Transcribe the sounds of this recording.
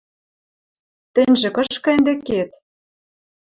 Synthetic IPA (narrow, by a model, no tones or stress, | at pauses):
t̪ɘ̆nʲʒĕkɤ̆ʃkɑ̆ɘ̆nd̪ĕket̪